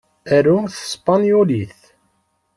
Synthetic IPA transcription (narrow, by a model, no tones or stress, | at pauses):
æɾuθə̥spɑnjuliθ